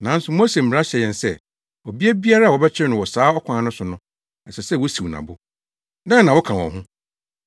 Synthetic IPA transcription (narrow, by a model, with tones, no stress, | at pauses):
nã˨˦n̩˦sʊ˨mo˦se˨m̩˨mɪ̃˨ɾa˦ɕɛ˨jɛ̃˨nsɛ˦˨ | o˨bi˦a˦bi˦a˦ɾa˦˨wɔ˨bɛ˦t͡ɕʰɪ˦nʊ̃˨wɔ˨saː˨˦ɔ˦kʷʰã˨˦nʊ̃˦sʊ˨nʊ̃˦ | n̩˨sɛ˨sɛ˦˨wɔ˦si˨wnã̰˨bʊ˦ | nã˦nã˨wɔ˦kʰã˨wɔ̰̃˨ɦʊ̃˦